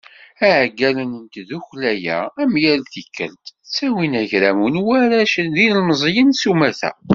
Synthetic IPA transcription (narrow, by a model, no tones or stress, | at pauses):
æʕɡælənənt̪ðuçlæjæ̰ːmjæɾθikːə̰lt̪t͡sːæwinæʝɾæmunwæɾæʃənðinəlməzˤjənsumæθæ̰